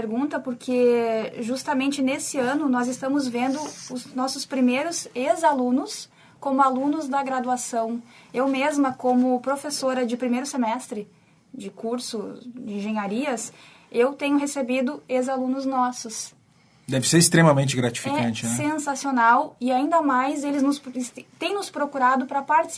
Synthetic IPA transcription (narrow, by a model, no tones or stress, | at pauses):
peɾɡũnt̪ɐpoɾkʰeʒust̪ɐmẽnt͡ʃɪnesɪɐ̃nʊnɔzɪst̪ɐ̃mʊzvẽnd̪ʊʊznɔsʊspɾimejɾʊzezalũnʊs | kõmʊalũnʊzd̪ɐɡɾad̪uasɐ̃w̃ewmezmɐkõmʊpɾofesoɾɐd͡ʒɪpɾimejɾʊsemɛst̪ɾɪ | d͡ʒɪkuɾsʊd͡ʒɪĩʒẽɲaɾiɐs | ewt̪ẽɲʊɦesebid̪ʊezalũnʊznɔsʊs | d̪ɛvɪseɾɪst̪ɾemɐmẽnt͡ʃɪɡɾat͡ʃi̥fɛɐ̃t͡ʃɪinɛsẽsasionawɪaĩnd̪ɐmajzelɪznʊst̪ẽj̃nʊspɾokuɾad̪ʊpɾɐpaɾt͡ʃɪ̥s